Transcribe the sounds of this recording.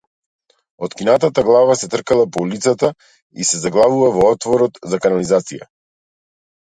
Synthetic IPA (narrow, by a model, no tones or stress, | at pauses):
ɔt̪kinat̪at̪aɡlˠavasɛt̪r̩kalˠapɔulit̪sat̪a | isɛzaɡlˠavuvavɔɔt̪vɔɾɔt̪zakanalizat̪sija̰